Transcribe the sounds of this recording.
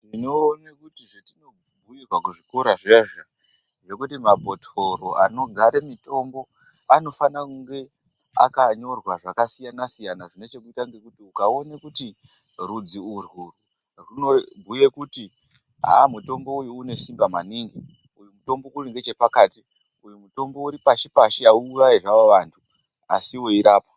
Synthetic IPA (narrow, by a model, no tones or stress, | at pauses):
ino̞ːnekutiʐetino̞ | ɡʱujirwakuʐikoɾaʐeːʐo | ʐe̞kutimabʱo̞tʰoɾoano̞ɡʱaɾemito̞mbo̞ | ano̞fanakuŋɡe̞ | a̰kaɲo̞rwaʐakasijanasijanaʐine̞t͡ʃe̞kuitaŋɡekutiukao̞nekutirud͡ziurwuru | rino̞ɡʱuje̞kuti | ɦa̰muto̞mbo̞ujuːne̞ʃimbamaniŋɡi | ujumuto̞mbo̞kuriŋɡe̞t͡ʃe̞pakaːti | ujumuto̞mbo̞uɾipaʃipaʃiauːʋaiʐaʋoʋantʰu | asiwoiɾaːpo